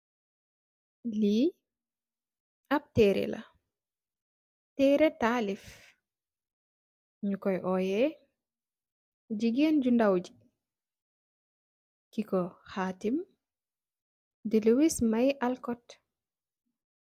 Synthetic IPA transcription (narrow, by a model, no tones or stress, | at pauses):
li | ab̚tɛɾɛ̰la̰ | tɛɾɛtaːlif | ɲukɔjʔɔjɛ | d͡ʒiɡend͡ʒundawd͡ʒi̥ | kikɔxaːtim | dilewismajʔalkɔt